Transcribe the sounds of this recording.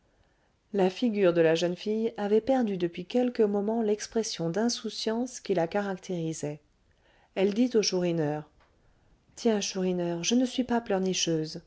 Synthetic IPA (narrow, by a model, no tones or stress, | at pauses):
lafiɡʲyʁd̪əlaʒənfijavɛpɛʁd̪yd̪əpɥikʲɛlkəmɔmɑ̃lɛkspχɛsjɔ̃d̪ɛ̃susjɑ̃skʲilakaʁakt̪ʰeʁizɛ | ɛld̪it̪oʃuʁinœːʁ | t̪jɛ̃ʃuʁinœːʁʒənəsɥipaplœʁniʃøːz